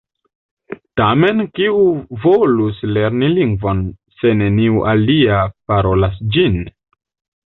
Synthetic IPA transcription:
tame̞nkiuvolusle̞ɾniliŋɡvo̞n | se̞ne̞niuʔaliapaɾo̞lasd͡ʒin

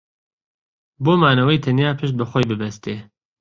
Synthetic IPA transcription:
boːmaːnɐwɛjt̪ʰɐnjaːpʰɨʃt̪̚bɐxoːjbɨbɛst̪eː

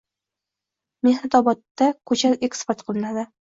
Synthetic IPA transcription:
mehnat̪ʰɒbɒt̪ːakʰɵt͡ʃʰalekspoɾt̪̚qʰɨlˠɪnad̪ɪ

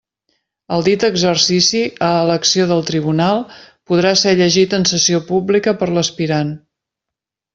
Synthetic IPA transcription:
əlˠd̪it̪əɡzərsisiəːləksioðəlˠt̪ɾiβ̞unalˠ | puð̞ɾasɛʎəʒit̪ənsəsiopublikəpəɾləspiɾan

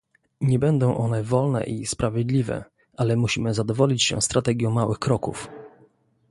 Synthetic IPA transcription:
ɲɛbɛnd̪ɔ̃w̃ʔɔnɛvɔlnɛ̰ʔispɾavʲjɛd̪lʲivɛ̰ | ʔalɛmuɕimɘzad̪ɔvɔlʲit͡ɕɕɛ̰st̪ɾat̪ɛɡʲjɔ̃w̃mawɘxkɾɔkuf

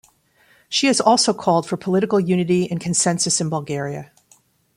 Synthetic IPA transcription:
ʃiɨzɔlˠsoʊkʰɔlˠd̥fə˞pʰəlɪɾɨkl̩ˠjʉnɨɾiɨ̃nkʰɨ̃nsɛ̃nsɨsɨ̃nbəlˠɡɛɹiɨ̰

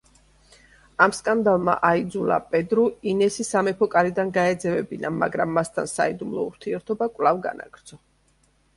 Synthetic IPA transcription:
amskʼand̪alˠma̰ʔaid̪zulˠa̰pʼɛd̪ɾuinɛsisamɛpʰɔkʼaɾid̪anɡaɛd̪zɛvɛbinama̰ɡɾamːast̪ʰa̰nsa̰id̪umlˠɔ̰ṵɾt̪ʰiɛɾt̪ʰɔbakʼvlˠavɡa̰na̰ɡ̥ɾd̪zsʰɔ

